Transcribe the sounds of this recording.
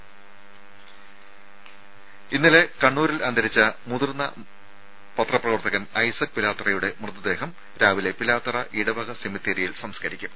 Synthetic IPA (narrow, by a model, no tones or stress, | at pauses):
inːile̞kɐɳːuːɾilɐnd̪ɐɾit͡ɕːɐmuðurnːɐ̰ | pɐt̪rɐprɐʋɐrt̪ɐɣɐnɐjsɐk̚pilaːt̪ːrɐjuɽe̞mrɨd̪ɐd̪e̞ːɦɐm | ɾaːʋile̞pilaːt̪ːrɐʔiɽɐbɐɣɐsemit̪ːeːɾijilsɐmskɐɾikʲːu